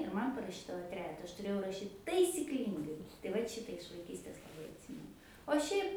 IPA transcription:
ɪr ˈmɐn pɐrɐˈʃʲiːdɐʋoː ˈtʲrʲæːjɛtɐ ˈɐʃ tʊˈrʲeːjɛʊ rɐˈʃʲiːt tɐɪsʲɪkˈlʲiːŋɡɐɪ tɐɪ ˈʋɐt ˈʃʲɪtɐ ɪʃ ʋɐɪˈkʲiːsʲtʲeːs lˠɐˈbɐɪ ɐtʲˈsʲiːmʲɛnʊ oː ˈʃʲɛɪp

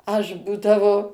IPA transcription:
ˈɐʃ ˈbuːdɐʋoː

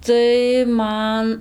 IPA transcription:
tɐɪ ˈmɐn

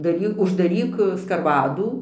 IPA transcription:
dɐˈrʲiː ʊʒdɐˈrʲiːk skɐrˈʋɑːduː

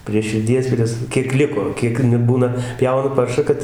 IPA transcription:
pʲrʲiɛ ʃʲɪrʲˈdʲiɛs ˈpʲrʲiɛs ˈkʲiɛk ˈlʲɪkoː ˈkʲiɛk nʊ ˈbuːnɐ ˈpʲjɛʊnɐ ˈpɐrʃɑː ˈkɐt

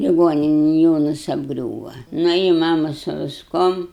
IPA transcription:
lʲɪˈɡoːnʲɪnʲɛn ˈjoːnɐs ɐbˈɡrʲuːʋɐ ˈnʊ ɪ ˈmɑːmɐ sʊ ʋʲɪsˈkuɔm

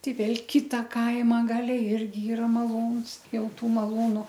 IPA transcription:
ˈtʲɛɪ ˈʋʲeːlˠ ˈkʲɪtɐ ˈkɐɪmɐ ˈɡɑːlʲɛ ˈɪrʲɡʲɪ ˈiːrɐ mɐˈlˠuːns ˈjɛʊ ˈtuː mɐˈlˠuːnʊ

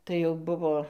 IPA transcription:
tɐɪ jɛʊ ˈbʊʋoː

